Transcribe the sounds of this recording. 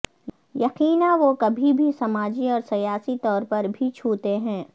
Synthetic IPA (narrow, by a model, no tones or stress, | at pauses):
jɐqiːnaʋokɐbʱibʱisɐmaːd͡ʒiɔːɾsɐjaːsit̪ɔːɾpɐɾbʱit͡ʃʰuːt̪eɦɛ̃ː